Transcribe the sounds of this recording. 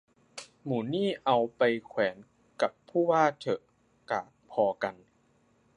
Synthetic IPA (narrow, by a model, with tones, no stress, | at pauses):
muː˩˦niː˥˩ʔa˧wpa˧jkʰwɛː˩˦n | ka˨˩pʰːuː˥˩waː˥˩t̪ʰɤ˨˩ʔ | ka̰ː˨˩t̪̚pʰɔː˧ka˧n